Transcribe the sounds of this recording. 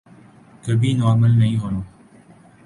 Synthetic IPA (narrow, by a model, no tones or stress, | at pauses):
kəbiːnoaməlnɐɦĩːɦoːnoː